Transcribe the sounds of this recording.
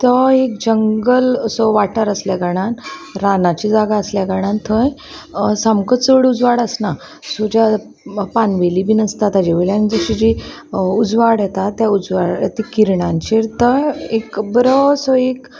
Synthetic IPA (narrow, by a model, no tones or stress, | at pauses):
t̪əek̚d͡ʑəŋɡələsɔʋaʈəɾəsljaɡaɽ̃anɾanat͡ɕid͡zaɡaəsljaɡaɽ̃ãnt̪ʰːəj | samkət͡səɽud͡zʋaɽəsna | sod͡ʑa | panʋelibʱiːnəst̪at̪ad͡ʑeʋəɭjanid͡zəɕid͡ʑiud͡zʋaɽjet̪at̪ːjaud͡zʋaɽt̪ikiɾɳãɲt͡ɕeɾt̪əekbɾɔsɔek